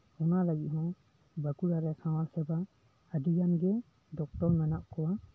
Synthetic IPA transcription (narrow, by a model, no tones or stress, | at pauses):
ɔnaləɡit̪̚ɦɔ̃ | bəkuɽaɾɛsãwalsɛba | əd̪ijanɡɛ | ɖɔk̚ʈɔɾmɛnaʔkɔwa